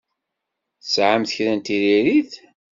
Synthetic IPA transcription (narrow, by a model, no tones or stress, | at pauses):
θəsʕəmθəçɾænt̪iɾiɾiθ